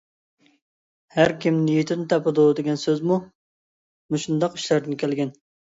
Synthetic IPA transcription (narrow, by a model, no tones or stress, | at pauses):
hæɾkʲʰimnijit̪ʰɪnɪt̪ʰɑpʰɨd̪ud̪eɡʲɛnsøzmu | muʃund̪ɑqy̥ʃlæɾd̪ɪnkʲʰɛlɡʲɛn